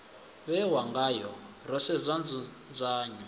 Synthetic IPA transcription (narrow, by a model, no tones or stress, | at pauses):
βɛwaŋɡajɔ | rɔsɛzʷand͡znd͡zʷaːɲɔ